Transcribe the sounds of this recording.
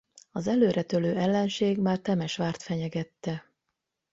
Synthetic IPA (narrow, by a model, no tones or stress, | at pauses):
ɒzɛløːɾɛt̪øløːʔɛlːɛnʃeːɡmaːrt̪ɛmɛʃʋaːrt̪fɛɲɛɡɛt̪ːɛ